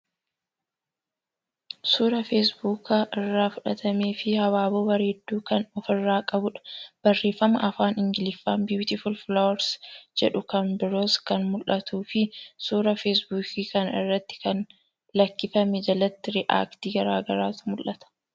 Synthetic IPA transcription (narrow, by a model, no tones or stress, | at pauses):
suːɾɐfesbuːkaʔɪrːaːfʊᶑɐt̪ʰɐmeːfɪhɐwaːboːbɐɾeːd̪ːuːkɐnɔfɪrːaːkʼɐbʊᶑɐ̥b̥ɐrːe̞ːfːɐmɐʔɐfaːnɪŋɡɪlɪfːaːmbjuːt̪ɪfʊlflowɐɾsd͡ʒɛᶑʊkɐnbɪɾoːskɐnmʊlʔɐt̪ʰuːfɪsuːɾɐfes̬buːkiːkɐnɪrːɐt̪ːɪ̥kɐn | lɐkːɪfɐmɛd͡ʒɐlɐt̪ːɪɾɪʔa̰ːkt̪iːɡɐɾaːɡɐɾaːt̪ʊmʊlʔɐt̪ɐ̥